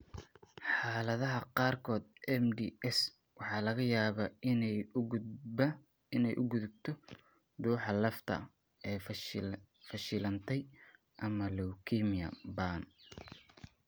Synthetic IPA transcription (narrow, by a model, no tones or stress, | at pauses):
ħɑːlɐðɐɦɐqɑːrkʰɔːd̪̚ɛmd̪iɛs | wɑħɑːlɐɣɐjaːβɐnɛj | ɪnɛjʔʊɡʊðʊb̚t̪ʰɔ | d̪uːħɑlɐft̪ʰɐ̰ | ɛː | fɐʃɪlɐnt̪ʰɛj | ʔɐmɐlɔwkʰiːmiɐ̰baːn